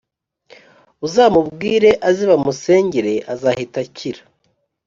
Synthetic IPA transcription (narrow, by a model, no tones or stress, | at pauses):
uzaːmubɡiːɾe̞ʔaziβamuse̞ːɲɟeɾe̞ʔazahitaciɾḁ